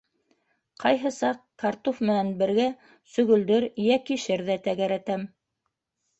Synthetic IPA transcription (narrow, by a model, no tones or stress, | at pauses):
qʰɑjɦɤ̆sɑqkɑɾt̪ofmɘ̆nænbɘ̆ɾɡæ | sɵ̆ɣɵ̆ld̪ɘɾjækiʃɘɾðæt̪æɡæɾæt̪æm